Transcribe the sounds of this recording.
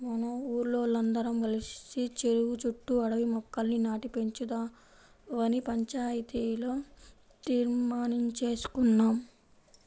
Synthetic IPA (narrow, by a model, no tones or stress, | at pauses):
mɐnɐuːɾloːlɐnd̪ɐɾɐmɡɐlissit͡ʃe̞ɾuʋut͡ʃuʈːuɐɽɐʋimɔkːɐlninaːʈipe̞ɲt͡ʃud̪aː | ʋɐnipɐɲt͡ʃaːjit̪iːloː | t̪iːɾmaːniɲt͡ʃe̞ːsu̥kunːaːm